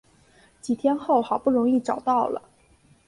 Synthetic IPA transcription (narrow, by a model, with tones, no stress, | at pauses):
t͡ɕi˨˩t̪ʰjɛ˥nxo˥˩ʊxɑ˨˩ʊpu˥˩ɻʊ˧˥ŋi˥˩ʈ͡ʂɑ˨˩ʊt̪ɑ˥˩ʊlə̰˩